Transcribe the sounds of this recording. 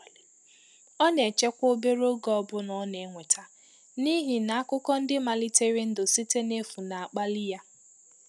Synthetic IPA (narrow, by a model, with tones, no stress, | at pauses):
ɔ˦ne˨t͡ʃe˦kʷo˦be˦ɾo˦ɡɔ˦˨˦bʊ˦nɔ˦ne˨˦ŋʷe˨tʰa˨ | ni˦ɦi˨na˨a˦kʊ˦kɔ˦n̩˦dɪ˦ma˨li˦te˦ɾi˦n̩˦dʊ˨si˦te˦ne˦fu˨na˨a˨k͡pa˦lɪ˦ja˦